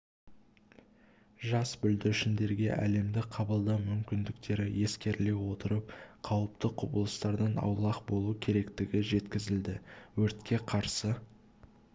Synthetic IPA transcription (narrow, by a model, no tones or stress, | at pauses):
ʒɑsbʏld̪ɪʃɪnd̪e̞ɾɡʲe̞̰ʔæ̰le̞md̪ɪqʰɑbəlˠd̪ɑmʏmkʲɪnd̪ɪkt̪e̞ɾɪje̞skʲe̞ɾle̞wo̞t̪əɾəp̚qʰɑwəpt̪əqʰʊbəlˠəst̪ɑɾd̪ɑnɑ̰wlˠɑqbo̞lˠukʲʰe̞ɾe̞kt̪ɪɡʲɪʒe̞t̪kʲɪzɪld̪ɪwɵɾt̪kʲe̞qʰɑɾsə